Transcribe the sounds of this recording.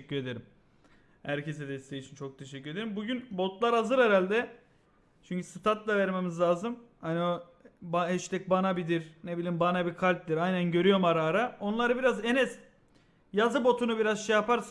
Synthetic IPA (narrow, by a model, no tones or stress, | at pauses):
cːyɾe̞d̪e̞ɾim | hæɾcʰe̞s̬ɛd̪ɛst̪ʰejit͡ʃʰint͡ʃʰo̞k̚t̪ʰe̞ʃ̬ɛcːyɾe̞d̪eɾimbuɟynbo̞t̪lˠaɾazɯɾɛɾalʲd̪ɛ | t͡ʃʰyɲcʰysɯt̪ʰat̪lˠavæɾme̞mizlʲaːzɯmhanio | baɛʃt̪ʰɛc̚banabid̪iɾnebilʲimbanabikʰalʲt̚d̪iɾajnænɟø̞ɾyjo̞maɾaːɾao̞nlˠaɾɯbiɾazenɛz | jazɯbo̞t̪ʰunubiɾazʃejapaɾs